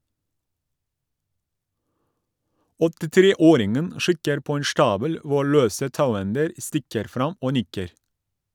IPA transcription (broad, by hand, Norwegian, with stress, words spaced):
ɔtɪˈtɾeːˌoːɾɪŋən ˈʃɪkəɾ ˈpoː ˈeːn ˈʃʈɑːbəl ˈʋʊ ˈɭøːsə ˈtɑʉˌɛndəɾ ˈstɪkəɾ ˈfɾɑm ˈoː ˈnɪkəɾ